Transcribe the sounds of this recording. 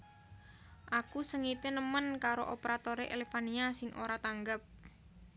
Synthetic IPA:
ʔakusəŋit̪enəmənkaɾoʔopeɾat̪oɾeʔelefaniasɪŋʔo̰ɾat̪aŋɡəp̚

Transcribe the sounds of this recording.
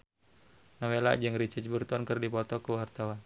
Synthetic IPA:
nawela̰ʔd͡ʒɨŋɾit͡ʃət͡ʃbərt̪ɔnkɨrdipɔt̪ɔkəwart̪awan

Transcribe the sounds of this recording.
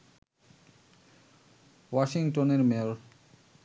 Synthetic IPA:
waʃiŋʈoneɾmel

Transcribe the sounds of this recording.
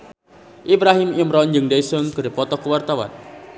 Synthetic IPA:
ʔibɾaɦimjəmɾɔnd͡ʒɨŋdajsɔnkɨrpɔt̪ɔkəwart̪awa̰n

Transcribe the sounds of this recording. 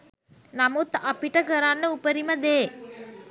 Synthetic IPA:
nɐmut̪ɐpiʈɐkɐɾaːnːəupɐɾimɐd̪eː

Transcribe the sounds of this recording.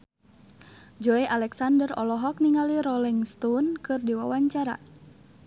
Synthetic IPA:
d͡ʒɔeʔalɛksandərɔ̰lɔɦɔk̚niŋaliɾɔliŋst̪ɔnkɨrdiwa̰waɲt͡ʃaɾa̰

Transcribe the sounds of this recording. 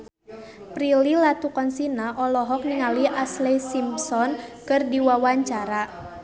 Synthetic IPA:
pɾililat̪ukɔnsinaʔɔlɔɦɔk̚niŋaliʔaslɛsimpsɔnkɨrdiwawaɲt͡ʃaɾa

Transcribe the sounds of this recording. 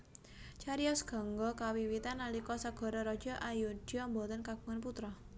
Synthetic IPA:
t͡ʃaɾiɔsɡ̥ɔ̤ŋɡɔkawiwit̪analikɔsaɡ̥ɔ̤ɾɔɾɔd̥d͡ʒ̥ɔ̤ʔajud̥iɔmbɔt̪ənkaɡ̥uŋanput̪ɾɔ

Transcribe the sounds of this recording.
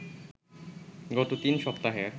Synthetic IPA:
ɡɔt̪ot̪inʃɔpt̪aɦeɾ

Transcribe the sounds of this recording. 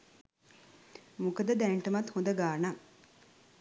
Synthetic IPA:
mukəd̪əd̪æɳʈəmat̪hõnd̪əɡaːna

